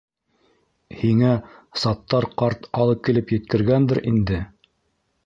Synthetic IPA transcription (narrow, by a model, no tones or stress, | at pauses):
hiŋæsɑt̪ːɑɾqɑɾt̪ɑlˠɤp̚kilɘpjɘ̆t̪̚kɘ̆ɾɡænd̪ɘɾʔind̪ɘ